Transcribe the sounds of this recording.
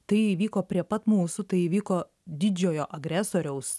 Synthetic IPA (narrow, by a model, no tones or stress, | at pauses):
t̪ɐɪiːʋʲiːkoːpʲɾʲiɛpɐt̪muːsʊt̪ɐɪiːʋʲiːkoː | d̪ʲɪd͡ʒʲoːjoːʔɐɡɾʲæːsoːɾʲɛʊs